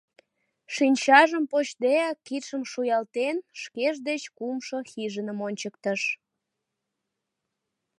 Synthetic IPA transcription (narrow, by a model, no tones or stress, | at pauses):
ʃinʲt͡ɕɑʒəmpot͡ɕd̪eækːit̪ʃəmʃujɑlt̪enʃkeʒd̪et͡ɕkumʃoxiʒənəmonʲt͡ɕək̚t̪əʃ